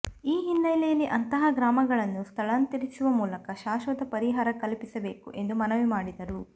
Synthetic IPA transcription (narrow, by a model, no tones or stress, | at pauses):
iːɦinːɐjlɛjɐlːiʔɐnt̪ɐɦɐɡɾaːmɐɡɐɭɐnːust̪ʰɐɭɐnut̪iɾit͡ʃuʋɐmuːlɐkɐʃaːʃʋɐd̪ɐpɐɾiɦaːɾɐkɐlpisɐbe̞ːkuʔe̞nd̪umɐnɐʋimaːɽid̪ɐɾu